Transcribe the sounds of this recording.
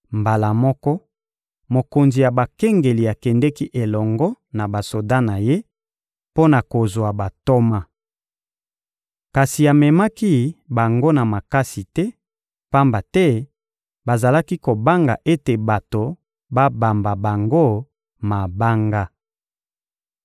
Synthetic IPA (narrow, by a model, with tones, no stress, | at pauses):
mba˨la˨mɔ˦kɔ˦ | mo˨ko˨nzi˨ja˨ba˨kɛ˦ŋɡe˨li˨a˨kɛ˨ndɛ˦ki˦ʔe˨lɔ˨ŋɡɔ˦na˨ba˨so˨da˦na˨je˦ | po˦na˨ko˨zwa˨ba˨to˦ma˦ | ka˨si˨a˨mɛ˨ma˦ki˦ba˨ŋɡo˦na˨ma˨ka˦si˨tɛ˦ | pa˦mba˨tɛ˦ | ba˨za˨la˦ki˦ko˨ba˦ŋɡa̰˨ʔe˦te˨ba˨to˨ | ba˦ba˨mba˨ba˨ŋɡo˦ | ma˨ba˦ŋɡa˦